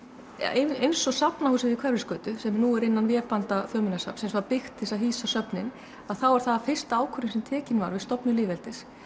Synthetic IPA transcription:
eejnsɔsapnahuːsɪɪɪkʰvɛrɪskœːt̪ʏsɛmnuːɛɾɪnːanvjɛːpant̪aθœːmɪnasa̰psɛmsvaɾpɪxt̪ɪsawɦiːsasœpnɪn | aðθawaɾ̥θaðafɪr̥st̪aːwkʰœɾɪmsɛmt̪ʰɛːcɪnva̰ɾvɪðst̪ɔpnʏlɪːvɛlt̪ɪs

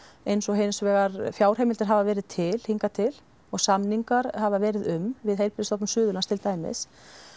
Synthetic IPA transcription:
ejnsɔɦejnsvɛːɣaɾfjaːwr̥ejmɪlt̪ɪɾ̥ɦavavɛːɾɪð̥t̪ʰɪl̥hiŋkat̪ʰɪl | ɔɣsamniŋkaɾhavavɛːɾɪðʏmvɪðɦejlpɪlɪst̪ɔpnʏmsʏːðʏlanst̪ʰɪlt̪aːjmɪ̰s

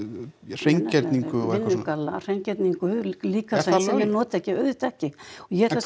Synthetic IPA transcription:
r̥ejɲc̪ɛɾt̪niŋkʏɪnːʏkalːar̥ejɲcɛɾt̪niŋkʏliːkaseɛjɛnɔːt̪ɪɛhcɪœɥðɪt̪ɛhcɪɔjɛɛɾt̪a

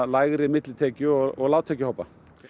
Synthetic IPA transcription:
laːjɣɾɪmɪt̪lɪt̪ʰɛːcʏɔɣɔɣlaːwt̪ʰɛːcʏhɔwpːa

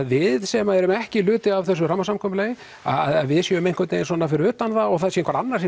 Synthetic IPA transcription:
ðvɪðsɛmaɛɾʏmɛhcɪlʏːt̪ɪavθɛsʏramːasamkʰɔːmʏlejɪ | a̰aðaðvɪðsjɛʏmejŋ̥kʰat̪nejɪnsɔnafɪɾɪɾʏːt̪anðaɔɣθaðsjɛɪ̥ŋkvaɾanːaɾ̥ɛ

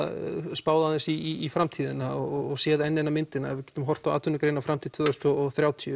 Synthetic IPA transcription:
spaːwðaðɪnsiiːfɾamt̪ʰiːðɪnaɔɣɔɔɣsjɛːðɪɛnːɛnamɪnt̪ɪnaɛvɪðcɛːt̪ʏmɦɔr̥t̪awaːt̪vʏnʏkɾeːjnafɾamt̪ʰiðt̪ʰvʏːðɾst̪ɔθɾjaːwt̪ʰiʏ

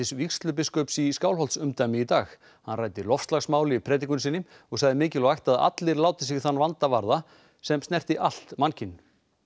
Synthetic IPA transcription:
ɪsvikst̪lʏp̬ɪskɔpsiskaːwlɦɔlt̪sʏmt̪ajmɪit̪aːx | hanraːjt̪ɪlɔfst̪laɣsmaːwlɪipʰɾɛːt̪ikʏnsɪnːɪm | ɔɣsaɣðɪmɪːcɪlɔɣajht̪aða̰t̪lɪɾlaːwt̪ɪsɪɣθanːvant̪avaɾða | sɛmst̪ɛr̥t̪ɪʔal̥t̪mancɪn

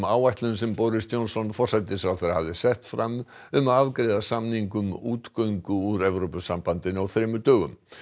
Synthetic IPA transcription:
maːwajht̪lʏnsɛmpowɾɪst̪jownsɔnfɔrsat̪ɪsfɾawθejɾahavðɪsɛht̪fɾam | ʏmaðaðkɾeːjðasamniŋkʏmuːt̪kœɥŋkʏuɾɛvɾowpʏsampant̪ɪnawθɾɪːmʏt̪œːɣʏ̰m

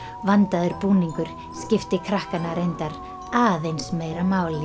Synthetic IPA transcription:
vant̪aðʏɾpuːniŋkʏɾ̥ | scɪft̪ɪkʰɾahkanːaɾejnt̪aɾ | aːðejnsmeːjɾamaːwlɪ

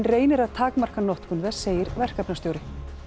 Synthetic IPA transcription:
nreːjnɪɾaðt̪ʰaːkmar̥kanɔht̪kʏnvɛ̥seːjɪɾvɛr̥kapnast̪joːwɾɪ

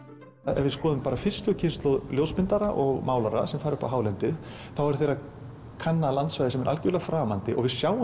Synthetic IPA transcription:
ɛ̰vɪskɔːðʏmpaːɾafɪr̥st̪ʏcʰɪnst̪lowðljoːwsmɪnt̪aɾaʔɔɣmaːwlaɾa̰sɛmfaːɾʏhpaɦaːwlɛnt̪ɪð | θawɛɾ̥θejrːa | kʰanːalant̪svajðɪsɛmɛɾʔa̰lcʏɾlaɣfɾaːmant̪ɪʔɔɣvɪðsjaːw

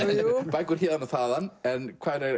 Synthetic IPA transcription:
b̥ajɡʊɾ̥hiːðanɔθaːðanɛnkʰajɾe

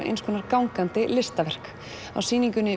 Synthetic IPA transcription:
ʔḛjnskʰɔːnaɾkawŋkant̪ɪlɪst̪avɛr̥k | a̰wsiːniŋcʏnːɪ

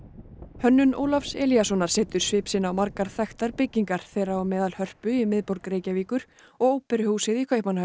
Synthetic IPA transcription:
hœnːʏno̰ːwlafsɛːlijasɔnaɾ̥sɛːt̪ʏɾ̥svɪːpsɪnːawmaɾkaɾ̥θaxt̪aɾpɪcːiŋkaɾ̥θɛːrːaɔmɛːðalhœr̥pʏimɪðpɔɾkɾeːjcaviːkʏɾ̥ | ɔɣoːwpɛɾhuːsɪðikʰehpmana

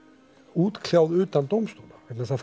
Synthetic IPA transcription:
uːt̪kʰl̥jawðʏːt̪ant̪owmst̪uwnḁvɛt̪nasθa

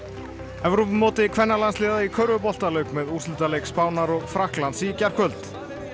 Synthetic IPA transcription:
ɛvɾɔpmːɔːt̪ɪkʰvɛnːaɾlanslɪːðaikʰœɥɾvʏpɔl̥t̪alœɥkmɛðursʏlt̪alejkspaːwnaɾɔɣfɾahklant̪sicar̥kʰœlt̪

